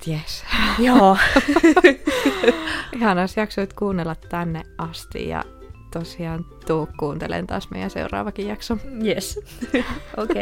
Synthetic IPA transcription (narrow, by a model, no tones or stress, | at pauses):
jesjoː | ʔihɑnɑsjɑksoit̪kuːnːelːɑt̪tænːeʔʔɑst̪ḭjjɑ̰ | t̪osiɑːnt̪uːkkuːnt̪elḛnt̪ɑ̰ːsmḛˑijænsḛurɑ̰ːʋɑkijjɑksomjes | ʔoke